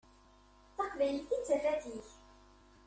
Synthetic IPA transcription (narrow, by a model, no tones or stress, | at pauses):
θɑqvæjlθit͡sːərːæθiç